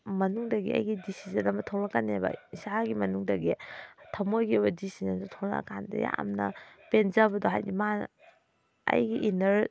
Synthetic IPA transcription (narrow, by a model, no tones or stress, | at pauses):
mɐnuŋdɐɡḭɐ̰jɡidisizɐnɐmɐtʰownakːanːebɐ̰isaɡimɐnuŋdɐɡitʰamojɡibɐdisizɐndotʰowna̰ɐ̰kandɐ̰ja̰a̰mnɐ̰penzabɐdoɦajnima | ɐ̰jɡiʔinɐɾ